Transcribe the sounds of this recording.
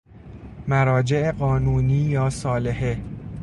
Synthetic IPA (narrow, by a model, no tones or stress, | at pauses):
mæɾɒːd͡ʒe̞ʔeɢɒːnuːniːjɒːsɒːle̞he